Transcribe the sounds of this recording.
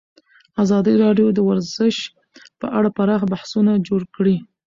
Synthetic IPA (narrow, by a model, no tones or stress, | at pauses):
azɑd̪əɾɑɖjod̪əwaɾzəʃ | pə̰ʔaɽapaɾɑxbahsunad͡ʒoɽkɽi